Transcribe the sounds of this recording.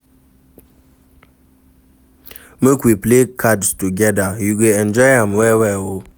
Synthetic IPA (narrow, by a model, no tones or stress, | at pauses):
məkwiplekʰadstuɡɛdajuɡeɛ̃nd͡ʒɔjhãmwɛwɛwo